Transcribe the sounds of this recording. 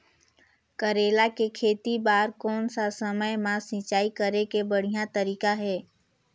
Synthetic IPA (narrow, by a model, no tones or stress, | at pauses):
kəɾeːlakekʰeːt̪ibaːɾkɔːnsasəməjmãsɪ̃t͡ʃaːikəɾekebəɽ̤ijat̪əɾiːkaɦɛː